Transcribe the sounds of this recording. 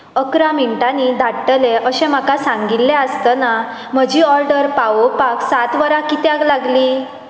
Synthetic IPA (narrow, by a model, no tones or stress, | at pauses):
əkɾamiɳʈanid̪ʱaʈːəleʔəɕẽm̤akasãŋɡilːeəst̪əna | m̤əd͡ʑiːɔɾɖəɾpaʋopaksat̪ʋəɾakit̪jaklaɡliː